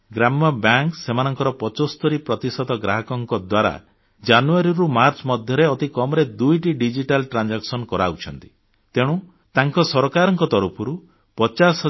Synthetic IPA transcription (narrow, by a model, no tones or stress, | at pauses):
ɡɾamɔbjaŋksemanɔŋkɔɾɔpɔt͡ʃost̪ɔɾipɾɔt̪isɔd̪ɔɡɾaɦɔkɔŋkɔd̪waɾa̰ | d͡ʒanuaɾiɾumaɾt͡ʃɔmɔd̪ʱjɔɾeɔt̪ikɔmɔɾed̪ujʈiɖid͡ʒiʈalʈɾand͡ʒaksɔnkɔɾaut͡ʃʰɔnt̪i̥ | t̪eɽ̃u | t̪aŋkɔsɔɾɔkaɾɔŋkɔt̪ɔɾupʰɔɾu | pɔt͡ʃasɦɔ